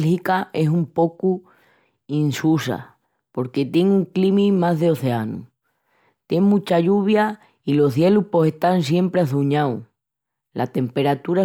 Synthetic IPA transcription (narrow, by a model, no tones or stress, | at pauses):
lhikae̞sumpo̞ku | insusa̰ | po̞ɾke̞t̪je̞ŋuŋklimĩmazðeo̞θe̞anṵ | t̪je̞ŋmũt͡ʃaʎuβ̞ja | ilo̞ɦθje̞lupo̞se̞st̪ansje̞mpɾeaθuɲaw | lʔa̰t̪e̞mpe̞ɾat̪uɾa